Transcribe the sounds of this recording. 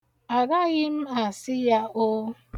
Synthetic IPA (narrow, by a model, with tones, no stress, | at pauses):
a˨ɡa˦ɣɪ˦m̩˦a˨sɪ˦ja˦o˦